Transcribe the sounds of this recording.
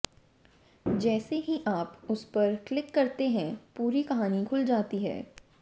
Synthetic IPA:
d͡ʒɛːseɦiʔaːpʊspɐɾklɪkːɐɾt̪eɦɛ̃puːɾikɐɦaːnikʰʊld͡ʒaːt̪iɦɛ̰ː

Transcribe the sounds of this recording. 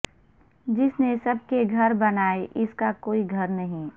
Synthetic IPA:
d͡ʒɪsnesɐb̚keɡʱɐɾbɐnaːeʔɪskakoːiɡʱɐɾnɐɦĩ

